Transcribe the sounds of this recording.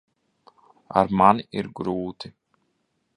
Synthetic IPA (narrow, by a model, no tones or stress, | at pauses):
a̰ɾmanɪɾɡɾuːt̪ɪ